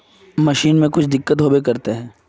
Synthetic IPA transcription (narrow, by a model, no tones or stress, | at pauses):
mɐʃiːnmẽkʊt͡ʃʰd̪ɪkːət̪ɦoːbekɐɾt̪eɦɛ̃ː